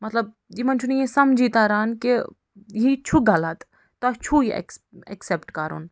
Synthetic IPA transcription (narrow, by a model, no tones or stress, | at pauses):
mɐt̪ləb̚ | d͡ʒimɐnt͡ʃʰunijesɐmd͡ʒʱiːt̪aːɾaːnke | ɦit͡ʃʰuɡɐlat̪ | t̪at͡ʃʰuiɛ̰ɛ̰ksepʈkaɾṵn